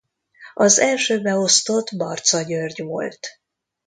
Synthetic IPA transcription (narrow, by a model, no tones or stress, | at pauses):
ɒzɛlʃøːbɛo̞st̪o̞t̪bɒrt̪sɒɟørɟʋo̞̰lt̪